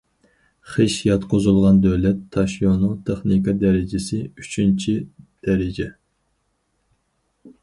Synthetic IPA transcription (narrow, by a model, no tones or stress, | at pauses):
χeʃjɑt̪qʰozulˠʁɑnd̪øwlɛt̪ʰːɑʃjonut̪ʰeχnikɑd̪ɛɾɪd͡ʒɪsɪyt͡ʃʰynt͡ʃʰid̪̥ɛɾɪd͡ʒɛ